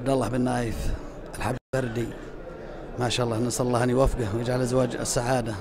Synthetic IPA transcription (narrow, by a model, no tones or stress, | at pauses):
b̚d̪ɑlˤːɑħbɪnːaːjɪf | ʔalħablbɑɾˤd̪i | maʃaːʔɑlˤːɑːnɑsˤɑɑlˤːɑːhanijwafɡawjɪd͡ʒʕalʔazwaːd͡ʒ̰sːaʕaːd̪a